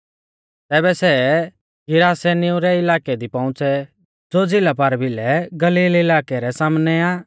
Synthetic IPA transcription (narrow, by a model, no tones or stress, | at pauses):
t̪ɛːbɛsɛ | ɡɪɾaːsɛnɪũɾɛɪlaːkɛd̪ipɐ̃ʊ̃t͡sɛ | d͡zod͡zɪlapaɾbɪlɛɡɐliːlɪlaːkɛɾɛsaːmnɛaː